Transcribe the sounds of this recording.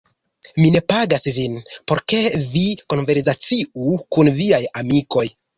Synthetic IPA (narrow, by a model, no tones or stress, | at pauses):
mine̞paɡasvinpo̞ɾke̞viko̞nve̞ɾsat͡siukunviajamiko̞j